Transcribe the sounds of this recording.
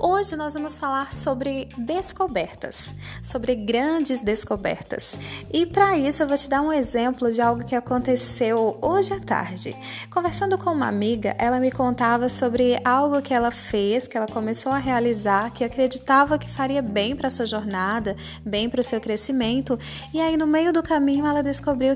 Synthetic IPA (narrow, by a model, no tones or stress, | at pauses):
oʒɪnɔzvɐ̃mʊsfalaɾsobɾɪd̪eskobɛɾt̪ɐ̰sːobɾɪɡɾɐ̃d͡ʒɪzd̪eskobɛ̰ɾt̪ɐ̰sɪpɾɐisʊewvot͡ʃɪd̪aɾũezẽmplʊd͡ʒɪawɡʊkɪakõnt̪esewoʒɪat̪a̰ɾd͡ʒɪ̰ | kõveɾsɐ̃nd̪ʊkõũmɐ̰a̰miɡɐ̰ʔɛlɐmɪkõnt̪avɐsobɾɪʔawɡʊkɪɛlɐfeskɪɛlɐkõmesowɐɦealizaɾkɪakɾed͡ʒit̪avɐkɪ̥faɾiɐbẽj̃pɾɐsuɐʒoɾnad̪ɐ | bẽj̃pɾʊsewkɾesimẽnt̪ʊɪainʊmejʊd̪ʊkamĩɲʊɛlɐd̪eskobɾiw